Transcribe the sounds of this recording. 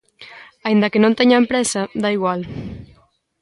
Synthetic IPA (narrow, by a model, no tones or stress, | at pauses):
aind̪akenõnt̪eɲampɾɛsad̪aiɣ̞wal